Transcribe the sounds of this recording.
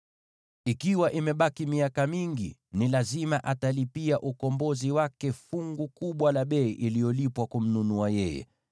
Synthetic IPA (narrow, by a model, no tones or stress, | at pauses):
ikiwaʔimɛɓakimiakamiŋɡḭnilazimaʔatalipiaʔukɔmbɔziwakɛfuŋɡukuɓwalaɓɛiʔilijɔlipwakum̩nunuajɛjɛ̰